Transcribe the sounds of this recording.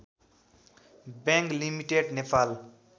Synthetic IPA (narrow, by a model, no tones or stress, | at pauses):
bẽŋklimiʈeɖnepʰal